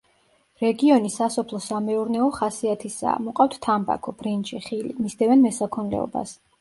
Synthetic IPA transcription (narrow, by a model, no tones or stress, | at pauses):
ɾɛɡiɔnisasɔpʰlˠɔsamɛuɾnɛɔχasiat̪ʰisa̰ːmuqʼaft̪ʰt̪ʰamba̰kʰɔb̥ɾint͡ʃʼiχilḭmisd̪ɛvɛnmɛsakʰɔnlɛ̰ɔ̰ba̰s